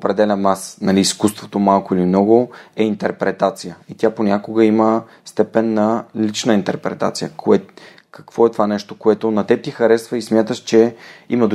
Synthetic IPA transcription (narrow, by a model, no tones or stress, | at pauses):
opɾɛd̪ɛlʲəmasnɐliːskust̪vot̪omalˠkoilimnɔɡoɛint̪ɛɾpɾɛt̪at̪sijəit̪ʲjaponʲakoɡəimə | st̪ɛpɛnːɐlit͡ʃnəint̪ɛɾpɾɛ̰t̪a̰t̪sijəkʰoɛ | kə̥kv̥ɔɛt̪ovanɛʃt̪okoɛt̪onɐt̪ɛt̪ixɐɾɛsvəismʲjat̪əʃt͡ʃɛḭməd̪